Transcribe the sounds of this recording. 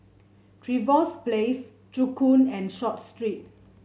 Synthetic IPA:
tʰɹivɔsples | tukũnɛ̃nʃɔt̚stɹit̚

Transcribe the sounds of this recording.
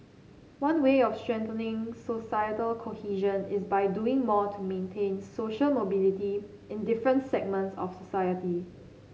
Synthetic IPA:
wãnweɔfstɹɛ̃ntənɪ̃ŋsosajətəlkʰohiʒə̃nɪsbaɪduɪ̃ŋmɔtʰumẽntʰẽnsoʃəlmobiliti | ɪ̃ndɪfɹə̃ntsɛɡ̚mə̃ntsɔ̰fsosajəti

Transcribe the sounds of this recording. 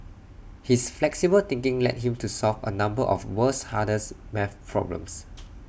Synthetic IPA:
hisflɛksibəlt̪ɪ̃ŋkɪ̃ŋlɛ̰t̚ɦĩmtusɔlvə̰nãmbəʔɔ̰fwəshadəsmɛfpʰɹɔ̰blə̰̃ms

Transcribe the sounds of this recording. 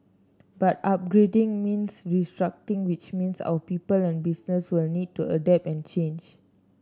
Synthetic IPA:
batap̚ɡɹedĩŋmĩnsɹistɹak̚tĩŋwit͡ʃmĩnsa̰wəpipəlɛ̃nbisnəswilnid̚tuədɛp̚ɛ̃nt͡ʃẽnd͡ʒ

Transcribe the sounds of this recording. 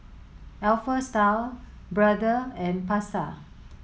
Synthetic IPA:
ɛlfəstal | bɹadəɛ̃npasa

